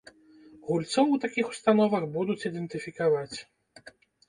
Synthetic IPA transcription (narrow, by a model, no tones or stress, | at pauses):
ɣulʲt̪sɔwt̪akʲixu̥st̪anɔvɐxbud̪ut͡sʲid̪ɛnt̪ɨfʲikavat͡sʲ